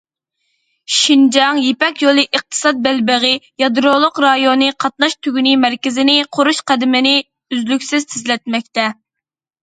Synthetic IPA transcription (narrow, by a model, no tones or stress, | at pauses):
ʃind͡ʒɑŋjepɛkʲjolˠɨʔəq̚t̪ʰɨ̥sɑt̪̚bɛlbɪʁɨjɑd̪ɾolˠʊqɾɑjonɨqʰɑt̪nɑʃt̪ʰyɡʲynɪmæɾkʲɪzɪnɪqʰoɾuʃqæd̪ɪmɪnɪ | yzlykʲsɪzt̪ʰɪzlɛt̪mɛk̚ʲt̪ɛ